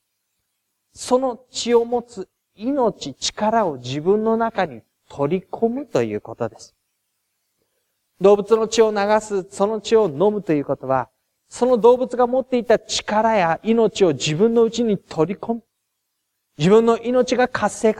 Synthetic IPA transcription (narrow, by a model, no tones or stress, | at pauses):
so̞no̞t͡ɕio̞mo̞t͡sɨ | ino̞t͡ɕit͡ɕi̥kaɾao̞d͡ʑibɯ̟̃nːo̞nakaɲ̟i | t̪ʰo̞ɾʲikʰo̞mɯ̟t̪o̞jɯ̟̰ːko̞t̪o̞d̪e̞sɨ̥ | d̪o̞ːbɯ̟t͡sɨno̞t͡ɕio̞naɡasɨso̞no̞t͡ɕio̞no̞mɯ̟t̪o̞jɯ̟ːko̞t̪o̞βa | so̞no̞d̪o̞ːbɯ̟t͡sɨɡamo̞t̪ːe̞it̪at͡ɕi̥kaɾajaʔino̞t͡ɕio̞d͡ʑibɯ̟̃nːo̞ɯ̟t͡ɕiɲ̟it̪ʰo̞ɾʲiko̞mɯ | d͡ʑibɯ̟̃nːo̞ʔino̞t͡ɕiɡakʰasːe̞ːk